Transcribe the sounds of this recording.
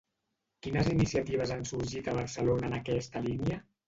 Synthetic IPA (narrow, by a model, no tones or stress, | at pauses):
kinəzinisiat̪iβ̞əzansuɾʒit̪əβ̞əɾsəlonəːnəkɛst̪əliniə